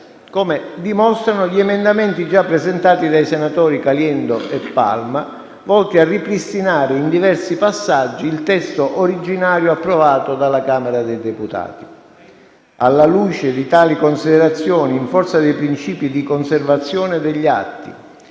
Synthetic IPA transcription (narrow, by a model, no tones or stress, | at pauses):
komed̪imɔst̪ɾanʊʎiɛmend̪ament̪id͡ʒapːɾezent̪aːt̪id̪ajsenat̪ɔːɾikaljɛnd̪oʔepːa̰lma | vɔlt̪iarːipɾist̪inaːɾɪind̪ivɛrsipasːad͡ʒːiːlt̪ɛst̪oʔoɾid͡ʒinaːɾjoapːɾovaːt̪od̪alːakaːmeɾad̪ejd̪eput̪a̰ːt̪i̥ | alːaluːt͡ʃed̪it̪aːlikonsid̪ɛɾat̪sːjɔːniːɱfɔrt̪sad̪ejpɾint͡ʃiːpid̪ikonservat̪sːjɔːned̪eʎːia̰t̪ːḭ